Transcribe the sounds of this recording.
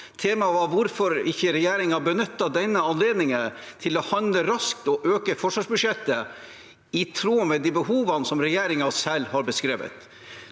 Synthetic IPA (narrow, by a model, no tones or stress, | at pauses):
t̪ʰeːmɑʋɑɾʋʊɾfɔɾɪçːəɾɛjeːɾɪŋɑbənʏt̪ːɑd̪ɛnːəɑnleːd̪nɪŋənt̪ʰɪlɔhɑnd̪ləɾɑskt̪ɔʔøːkəfɔʂʋɑːʂbʉʂjɛt̪ːə | ɪt̪ʰɾuːmɛd̪iːbəɦuːʋɑnəsɔmɾɛjeːɾɪŋɑsɛlːhɑɾbəskɾeːʋə̰t̪